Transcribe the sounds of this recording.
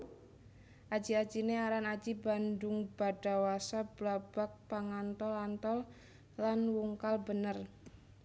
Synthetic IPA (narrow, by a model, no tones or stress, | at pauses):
ʔḁd͡ʒ̥iad̥d͡ʒ̥ineaɾanad̥d͡ʒ̥iba̤ndʊŋb̥a̤ɖ̥a̤wasab̥lab̥a̤k̚paŋant̪ɔlant̪ɔl | lanwuŋkalbənər